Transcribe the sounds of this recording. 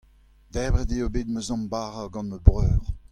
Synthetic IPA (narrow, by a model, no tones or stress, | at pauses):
d̪ɛbʁɛd̪eobeːt̪̚məzɑ̃mbaːʁaɡɑ̃nməbʁœːʁ